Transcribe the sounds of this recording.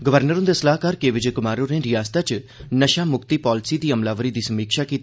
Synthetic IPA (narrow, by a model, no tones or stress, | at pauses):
ɡəʋəɾnəɾʊ̃nd̪esəlaːɦkaːɾkeːʋɪd͡ʒekʊmaːɾõɾẽːɾɪjaːst̪at͡ʃnəʃaːmʊkt̪iːpɔːlɪsiːd̪iːəmlaːʋəɾiːd̪iːsəmiːkʃaːkiːt̪ː